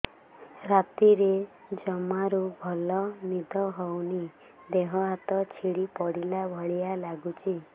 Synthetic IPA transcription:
ɾat̪iɾed͡ʒɔmaɾubʱɔlɔnid̪ʱɔɦɔwni | d̪eɦɔɦat̪ɔt͡ʃʰiɽipɔɽilabʱɔɭijalaɡut͡ʃʰi

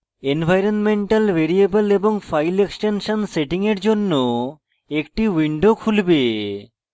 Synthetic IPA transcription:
enbʱajɾonmeɳʈalʋʱeɾiebəleboŋfʰajleksʈenʃanseʈiŋeɾd͡ʑonːo | ekʈiwiɳɖokʰulbe

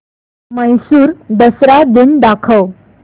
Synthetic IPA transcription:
məjsuːɾd̪əsɾad̪ind̪akʰəw

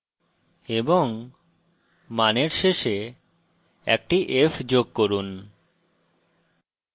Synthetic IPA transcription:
eboŋ | maneɾʃeʃe | ɛ̰k̚ʈiʔefd͡ʑoɡ̚koɾun

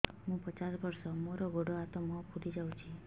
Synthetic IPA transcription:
mũpət͡ʃasbɔɾsɔmoɾɔɡʱoɽɔat̪ɔmɔ̃pʰuɽid͡ʒawt͡ʃʰi

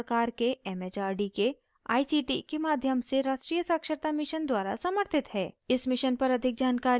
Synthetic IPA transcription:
kaːɾkeɛːmet͡ʃaːɾɖike | a̰ːisiːʈikemaːd̪ʱjəmseɾaːʃʈɾiːjəsɐkʃəɾt̪amɪʃənd̪waːɾa̰sɐməɾt̪ʰɪt̪ɦɛːɪsmɪʃənpɐɾɐd̪ʱɪk̚d͡ʒaːnkaːɾ

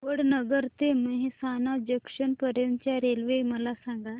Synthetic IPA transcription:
ʋəɽnəɡəɾt̪eməɦesanad͡ʑekʂənpəɾənt͡ɕjaɾelʋeməlasaŋɡa

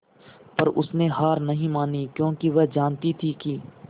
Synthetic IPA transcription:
pɐɾʊsneɦaːɾnɐɦĩmaːnikjõːkiʋɛɦd͡ʒaːnt̪it̪ʰiki

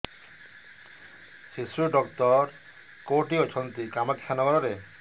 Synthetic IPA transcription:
ʃisɾuɖɔk̚t̪ɔɾ | koʈiɔt͡ʃʰɔnt̪ikamekʰːanɔɡɔɾoɾe

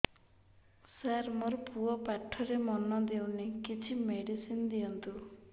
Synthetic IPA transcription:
saɾmoɾpuɔpaʈʰːɔɾemɔnɔd̪ewnikit͡ʃʰimeɖisind̪iɔnt̪u

